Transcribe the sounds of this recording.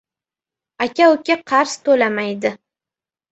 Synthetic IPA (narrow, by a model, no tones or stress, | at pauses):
akʲʰaʊkʲaqʰɑɾst̪ʰolamajd̪ɪ